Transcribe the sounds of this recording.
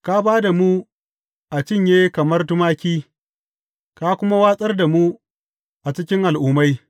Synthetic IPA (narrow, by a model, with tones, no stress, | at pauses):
ka˦baː˦da˨mu˦ | ʔa˨t͡ʃɪ˦˨ɲjeː˦kɐ˨mɐ˦rtʊ˦maː˦kʲiː˦ | ka˦kʷʊ˦ma˦waː˦sʼɐ˦rda˨mu˦ | ʔa˨t͡ʃɪ˦kʲɪ˦ŋʔa˨lʔʊː˨˦ma˦j